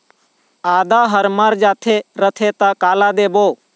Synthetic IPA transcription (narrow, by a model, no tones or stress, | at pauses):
aːd̪aːɦəɾmaɾd͡ʒaːt̪ʰeɾət̪ʰet̪akaːlaːd̪eːboː